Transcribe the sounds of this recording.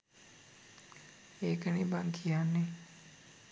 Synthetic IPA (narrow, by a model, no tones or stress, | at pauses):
eːkənibaŋkʰijanːe